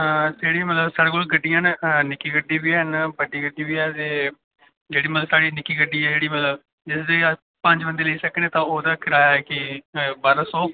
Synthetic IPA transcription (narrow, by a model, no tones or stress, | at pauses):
d͡ʒeːɽiːmət̪ləbsaːɽeːkolɡəɖːijãːnnɪkːiːɡəɖːiːbiːɛːnbəɖiːɡəɖiːbiːɛːt̪eː | d͡ʒeːɽiːmət̪ləbsaːɽiːnɪkːiːɡəɖːiːɛːd͡ʒeːɽiːmət̪ləb | d͡ʒɪsd̪eː | pəɲd͡ʒbənd̪eːləiːsəkːnẽːt̪ãːoːd̪aːkʰɪɾaːjaːɛːkɪbaːɾasoː